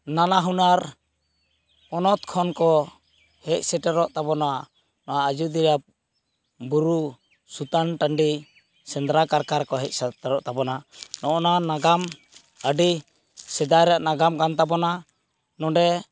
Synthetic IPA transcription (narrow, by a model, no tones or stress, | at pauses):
nanaɦunaɾ | ɔnɔt̪kʰɔnkɔ | hɛc̚sɛʈɛɾɔʔt̪abɔna | nɔwaəd͡ʒud̪iɾap̚ | buɾu | sut̪anʈaɳɖi | sɛnd̪ɾakaɾkaɾkɔɦɛc̚sɛtɛɾɔʔt̪abɔnanɔʔɔnanaɡam | əɖi | sɛd̪aɾaʔnaɡamkant̪abɔna | nɔɖɛ